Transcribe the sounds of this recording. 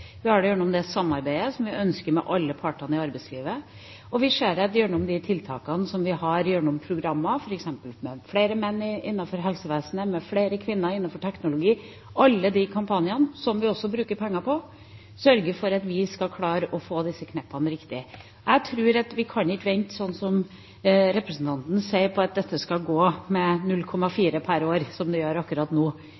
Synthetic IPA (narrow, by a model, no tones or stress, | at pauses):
ʋɪhɑɖɛjøːɳʊmd̪ɛsɑmːɑɾbæɪəsɔmʋɪʔœnskəɾmɛ̰ʔɑlːəpʰɑʈɑnəɪɑɾbæɪsliːʋə | ɔʋɪʂeːɾɛt̪jøːɳʊmd̪ɪt̪ʰɪlt̪ʰɑ̰ːkɑnsɔmʋɪhɑɾjøːɳʊmpʰɾʊɡɾɑmːɑfɔɾɛksɛmpəlmɛfɽeːɾəmɛnːɪʔɪnːɑfɔɾɦɛlsəʋeːsənəmɛfleːɾəkʰʋɪnːəɾɪnːɑfɔʈʰɛknʊlʊɡiː | ʔɑlːəd̪ɪkʰɑmpʰɑnɪɑnsɔmʋɪɔsːɔbɾʉːkəɾpʰɛŋːɑpʰɔ | sœɾɡəɾfɔɾɑt̪ʋɪskɑkʰlɑːɾəʔɔfoːd̪ɪsːəkʰnɛpːɑnəɾɪkt̪ɪ | ʔæɪt̪ʰɾʉːɾɑt̪ʋɪkʰɑnɪkːʋɛɪnt̪sɔnːsɔm | ɾɛpɾəsn̩t̪ʰɑnt̪n̩seɪpɔɑt̪̚d̪ɛt̪ʰːəskɑɡoːmɛnʉlkʰɔmːɑfiːɾəpʰæɾoːɾsɔmd̪ɛjøːɾɑkːʉɾɑːt̪nuː